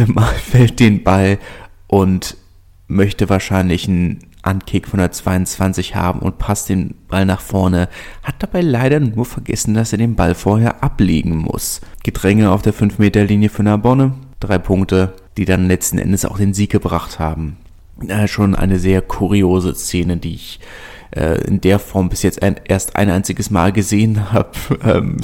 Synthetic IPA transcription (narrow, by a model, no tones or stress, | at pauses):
maːlfɛlt̚d̥eːnbalʔʊnt | mœçtəvaːɐʃaɪnlɪçn̩ | ʔa̰nkʰɪːkfɔndeɐt͡sv̥aɪʊnt͡sv̥ant͡sɪçha̰ːbm̩ʊ̰nt̚pʰast̚d̥eːnb̥alnaːχfɔɐnəhat̚d̥ab̥aɪlaɪɾɐnuːɐfɛɐɡɛ̰sn̩d̥aseːɐdeːnbalfoːɐheːɐʔaplḛːɡŋ̩mʊ̰sɡ̥ədʁɛŋəaʊfd̥eːɐfʏnfmeːtɐliːnjəfyːɐnabɔnəd̥ʁaɪpʰʊŋk̚tə | d̥iːdanlɛt͡stn̩ʔɛ̰ndəsa̰ʊxd̥eːnziːk̚ɡ̥əbʁaχthaːbm̩ | ɛːʃoːnʔa̰ɪnəzeːɐkʰuʁioːzəst͡seːnədiːɪç | ʔɛ̰ːʔɪ̰ndeːɐfɔɐmbɪsjɛt͡sta̰ɪnʔeːɐstʔa̰ɪnʔaɪnt͡sɪɡəsma̰ːlɡəzeːənɦaːb̥əʔɛ̰ːm